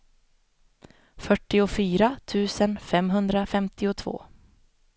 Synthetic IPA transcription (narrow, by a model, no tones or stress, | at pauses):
fœʈːɪʊfyːɾat̪ʰʉ̟ːsənfɛmɦɵnd̪ɾafɛmt̪ɪʊt̪ʰvo̰ː